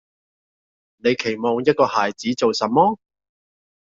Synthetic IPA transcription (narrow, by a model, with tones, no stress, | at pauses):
ne˨˧jkʰe˨˩jmɔː˨˩ŋjɐ˥t̚kɔː˧haː˨jt͡siː˨˥t͡so˨wsɐ˨˩mmɔː˥